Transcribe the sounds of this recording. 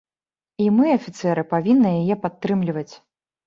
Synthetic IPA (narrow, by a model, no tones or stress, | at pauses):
imɨɐfʲit̪sɛɾɨpavʲinːɨjajɛpat̪ːɾɨmlʲivɐt͡sʲ